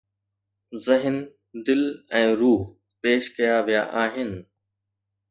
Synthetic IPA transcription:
zɪɦɪn | d̪ɪlɛ̃ːɾuːɦ | peːʃkɐjaʋijaʔaːɦɪnɪ̆

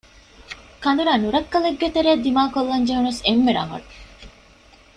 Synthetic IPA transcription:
kɐnd̪uɾaːnuɾɐkːɐleɡːet̪eɾeːd̪ːimaːkolːɐɲd͡ʒeɦunesemːeɾɐ̰ŋɐ̰ɽu

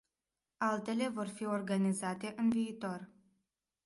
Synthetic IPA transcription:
alt̪e̞le̞vo̞rfio̞rɡanizat̪e̞ʔɨnviːt̪o̞r

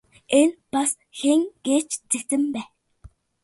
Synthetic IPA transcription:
enpas | xeŋɡ̥eːt͡ɕt͡sekt̪ɘ̆mpæː

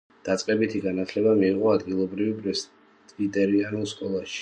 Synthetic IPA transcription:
d̪̥at̪sʼqʼɛbit̪ʰiɡanat̪ʰlɛbamiːqʼɔad̪ɡilˠɔbɾivpʼɾɛs | vit̪ʼɛɾianulˠskʼɔlˠaʃi̥

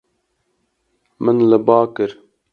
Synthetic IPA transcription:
mɨnləbɑːkɨɾ

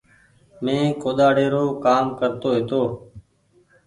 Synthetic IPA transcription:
mẽːkoːd̪aːɽeːɾoːkaːmkəɾt̪oːɦeːt̪oː

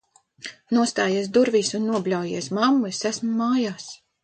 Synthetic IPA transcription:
nuɔst̪aːjis̬d̪uɾviːsunːuɔblʲawjiɛsmamːuɛsæsmuːaːjaːs

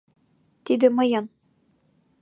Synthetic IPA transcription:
t̪id̪ɘ̆mɤ̆jɤn

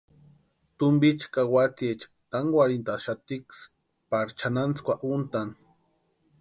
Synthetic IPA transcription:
t̪umbit͡ʃkawat͡siet͡ʃkt̪aŋwaɾint̪aʃat̪iks | paɾt͡ʃʰanant͡skʷaʔunt̪an

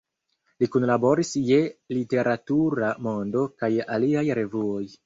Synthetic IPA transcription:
likunlabo̞ɾisje̞lite̞ɾʔatuɾamo̞ndo̞kajaliajɾe̞vuo̞j

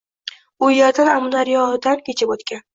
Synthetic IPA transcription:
ʊjeɾd̪anamʊnaɾjɒhɪd̪ankʲet͡ʃʰɪpot̪kʲan

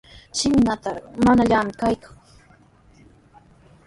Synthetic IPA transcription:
t͡ʃɪmɪnat̪aɾmanaʎaːmɪkajkaŋ

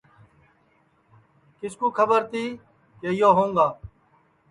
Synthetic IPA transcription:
kɪskuːkʰəbəɾt̪iː | keɪjoːɦõːŋɡaː

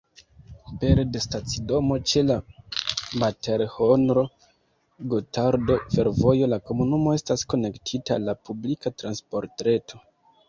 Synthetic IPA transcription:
pe̞ɾde̞stat͡sido̞mo̞t͡ʃe̞la | matʰe̞ɾho̞nɾo̞ | ɡotʰaɾdo̞fe̞ɾvo̞jo̞lako̞munumo̞e̞stasko̞ne̞ktʰitalːapublikatɾanspo̞ɾtɾe̞tʰo̞

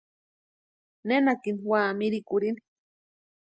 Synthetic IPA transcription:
nenakiniwaːmiɾikuɾini̥

